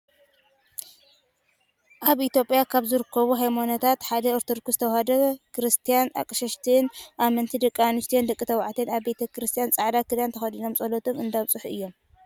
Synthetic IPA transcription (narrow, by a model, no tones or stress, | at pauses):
ʔaβʔit̪jopʼijakʰaβzɨɾɨkʰːɐβuɦajmonɐt̪ʰat̪ħad̪ɐoɾt̪ʰod̪kʰust̪ʰɐwhad̪ɐkʰɾɨst̪ʰijana̰kʼɨʃɐʃt̪ʰɨnʔamɐnt̪ʰid̪ɐkʼːanɨst̪ʰijond̪ɐkʼːit̪ʰɐwʕt̪ʰenaβbe̞t̪ʰɐkʰɾɨst̪ʰijant͡sʼaʕd̪akɨd̪ant̪ʰɐxɐd̪ino̞msʼɐlot̪ʰomɨnd̪aβt͡sʼɨħʔɨjːo̞m